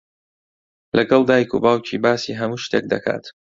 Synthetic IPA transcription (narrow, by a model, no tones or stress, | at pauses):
lʔɐɡɐlˠd̪aːjkʰṵbaːwcʰiːbaːsiːɦɐmuːʃt̪ḛːk̚d̪ɐkʰa̰ːt̪